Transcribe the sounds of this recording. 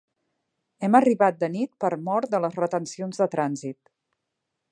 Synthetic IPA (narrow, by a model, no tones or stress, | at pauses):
ɛməriβat̪̚d̪ənit̪̚pəɾmɔɾt̪̚d̪ələzrət̪ənsionzðət̪ɾanzit̪